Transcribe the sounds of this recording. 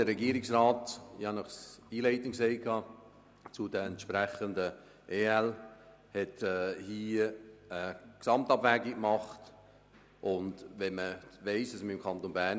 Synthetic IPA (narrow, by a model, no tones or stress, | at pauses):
d̥əɾːɛɡiəɾɪksraːtiɑnɔχsiːleɪtənkseɪkʰɑː | t͡sudəɛntʃpɾɛχəndə | ʔeːɛl | hɛtɛhiːəksɑmtɑbvɛːɡikmɑχt | ʔʊndvɛnməveɪsdɑsməɪmkʰɑnt̪onbæ